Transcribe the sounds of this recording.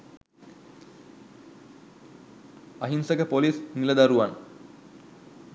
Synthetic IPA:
ɐɦinsəkəpolisniləd̪aɾuʋan

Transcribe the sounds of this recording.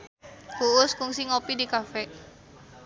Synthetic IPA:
kuʊskuŋsiŋopidikafɛ

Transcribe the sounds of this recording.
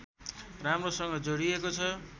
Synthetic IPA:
ramrosʌŋɡʌd͡zoɽiekot͡sʰʌ

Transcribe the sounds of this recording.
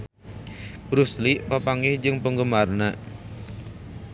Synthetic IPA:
b̥ɾusliʔpapaŋɪhd͡ʒɨŋpəŋɡəmarna

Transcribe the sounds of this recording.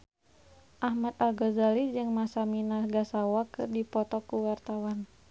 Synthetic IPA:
ʔahmat̪alɡɔzalid͡ʒɨŋmasaminaɡasawakɨrdipɔt̪ɔkuwart̪awan

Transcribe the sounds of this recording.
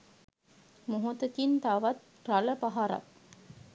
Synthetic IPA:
muɦut̪ɐt̪int̪aʋɐt̪̚ | raləpaɦaɾa̰

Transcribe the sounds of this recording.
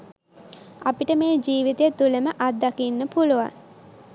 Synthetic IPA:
apiʈəmeːd͡ʒiːʋit̪et̪uleməʔat̪̚d̪akinːəpuluʋa̰ŋ

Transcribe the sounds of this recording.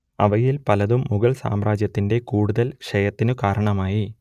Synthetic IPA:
ɐʋɐjilpɐlɐðumːuɣɐɭsa̰ːmraːd͡ʑjɐt̪ːinde̞kuːɽuðɐlkʂɐjɐt̪ːinɨkaːɾɐɳɐmaːji

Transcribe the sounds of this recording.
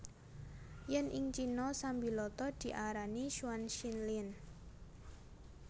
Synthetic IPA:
jɛnʔɪŋt͡ʃinɔsambilɔt̪ɔd̪̥i̤ʔaɾaniʃuwanʃinlin

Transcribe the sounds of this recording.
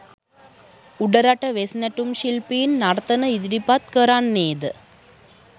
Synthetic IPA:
uɽɐɾɐʈːɐʋesnɐʈːumɕilpinnɐɾɐt̪ːɐnɐiðɪɾipːaːt̪̚kɐɾaːnneːd̪ɨ

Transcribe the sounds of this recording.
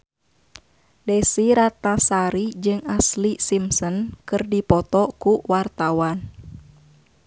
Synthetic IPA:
dɛsiɾat̪asaɾid͡ʒɨŋaslisimsɔnkɨrdipɔt̪ɔkuwart̪awan

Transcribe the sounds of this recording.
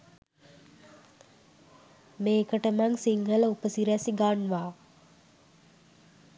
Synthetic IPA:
meːkəʈəmaŋsiŋɡələupəsiɾæsiɡanʋaː

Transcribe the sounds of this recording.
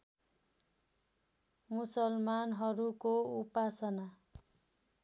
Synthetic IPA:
musʌlmanɦʌɾukoupasʌna

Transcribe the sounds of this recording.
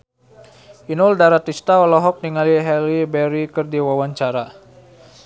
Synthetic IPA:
ʔinuldaɾat̪ist̪aɔlɔɦɔk̚niŋaliɦɛlibɛɾikərdiwawaɲt͡ʃaɾa

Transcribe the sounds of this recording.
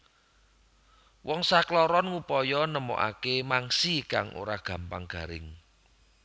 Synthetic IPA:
wɔŋsaklɔɾɔnŋupɔjɔnəmɔ̰ʔa̰kemaŋsikaŋʔo̰ɾaɡ̥ä̤mpaŋɡ̥a̤ɾɪ̰ŋ

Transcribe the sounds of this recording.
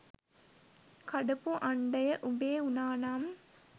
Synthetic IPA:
kɐɖɐpuʔɐɳɖɐjɐʔubeːunaːnaːm

